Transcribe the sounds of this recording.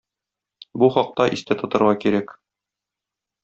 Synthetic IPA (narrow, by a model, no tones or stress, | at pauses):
buχɒq̚t̪ɑʔist̪æt̪ŏt̪ɤ̆ɾʁɑkiɾæk